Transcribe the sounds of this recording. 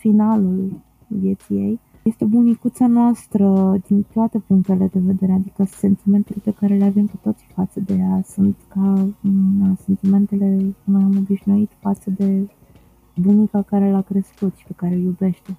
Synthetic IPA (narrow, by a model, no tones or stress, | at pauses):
finalul | vjet̪sijej | je̞st̪e̞bunikut̪sianoast̪ɾəd̪int̪oat̪e̞puŋk̚t̪e̞le̞d̪e̞ve̞d̪e̞ɾead̪ikəse̞nt̪ime̞nt̪elepe̞kaɾe̞leave̞mkut̪o̞t̪si̥fat̪səd̪e̞jasunt̪ka | əse̞nt̪ime̞nt̪e̞le̞kunamobiʃnuit̪fat̪səd̪e̞ | bunikakaɾe̞lakɾe̞skut̪ʃi̥pe̞kaɾeljube̞ʃt̪e̞